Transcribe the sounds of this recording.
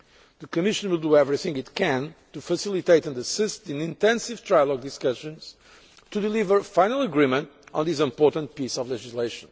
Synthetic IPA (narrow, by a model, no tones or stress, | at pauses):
ðɨkɨmɪʃɨ̃nwɪlˠd̪uɛvɹiθɪ̃ŋɡɨt̪kʰɨ̃ntufəsɪlˠit̪eɪtɨ̃ndəsɪst̪̚ðɨ̃nĩnt̪ɛ̃nsiv̥t̪ʰɹajlˠɔɡ̚dɨskʌʃɨ̃nz̥ | tud̪ɨlivə˞fãɪnəlˠəɡɹĩmə̃ntɔ̃nðisɪ̃mpɔɹtə̃nt̚pisɔvlɛd͡ʒizleɪʃə̃n